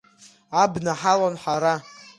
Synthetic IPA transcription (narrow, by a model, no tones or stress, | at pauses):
abnaħalanħaɾa